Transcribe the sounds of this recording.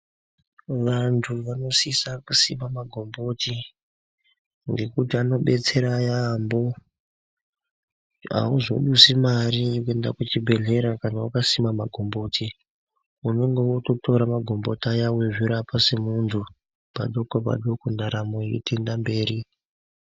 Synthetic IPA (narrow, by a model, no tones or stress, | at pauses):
ʋantʰuʋano̞sisakusimamaɡʱo̞mbo̞ti | ŋɡe̞kutiano̞ɓe̞t͡se̞ɾajambo̞ | a̰uzo̞̰ɗusimariokue̞ndakut͡ʃibʱe̞ɮe̞ɾakanawukasimamaɡʱo̞mbo̞tʰi | uno̞ŋɡe̞woto̞tʰo̞ɾamaɡʱo̞mbo̞tajaweʐiɾapasemuntʰu | pa̰ɗokopa̰ɗokondaɾamojḭtendambe̞ːɾi